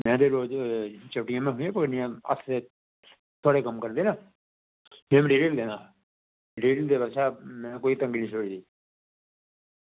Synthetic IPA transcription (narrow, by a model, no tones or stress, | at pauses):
mɛ̃ːd̪eːɾoːd͡ʒt͡ʃəʈɪjãːmɛ̃ːɦʊ̃ãːpəknɪjãə̰sʰe | t̪ʰoːɽeːkəmkəɾd̪eːnãː | mɛ̃ːmɖeːɾeld̪eːnaː | ɖeːɾild̪eːbəʃaːmɛ̃ːkoːiːt̪ə̃ŋɡiːnĩːsʰoːɽiːd̪iː